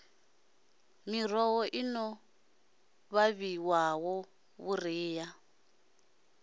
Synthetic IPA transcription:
mirɔwɔʔinɔ | βaβiwawɔ | βuriːja

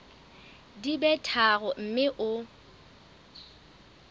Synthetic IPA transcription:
dibɛtʰaɣɔm̩mɪʔʊ

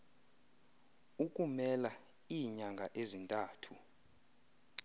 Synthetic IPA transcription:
uk̬ʼumɛla | iːɲaŋɡʱaʔezintʼaːtʰu

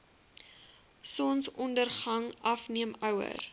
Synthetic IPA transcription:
sɔnsɔndərχɐŋɐfniəmœwə̰r

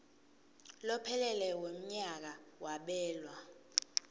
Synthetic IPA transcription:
lɔpʰɛlɛlɛwem̩ɲak̬awaɓɛːlwa

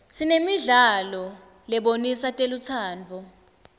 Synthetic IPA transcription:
sʰinemiɮalɔ | lɛɓonisatʼelut͡sʰaːnd͡vʱɔ

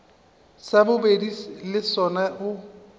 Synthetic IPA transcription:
sabʊbedilɪsɔnaʔʊ

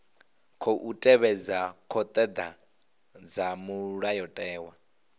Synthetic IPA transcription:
kʰɔʔutʼɛβɛd͡zakʰɔt̪ʼɛd̪a | d͡zamuɺajɔtʼɛːwa

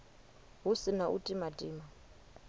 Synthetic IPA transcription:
ɦusinaʔutʼimatʼiːma

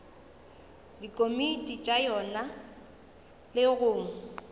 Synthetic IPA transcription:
dikʼomitʼit͡ʃʼajɔna | lɪɣʊːŋ̩

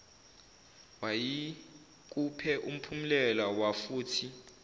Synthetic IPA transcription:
waji | k̬ʼupʰɛʔum̩pʰumilɛlawafuːtʰi

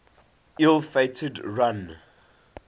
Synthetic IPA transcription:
ʔilˠfetʰədɹãn

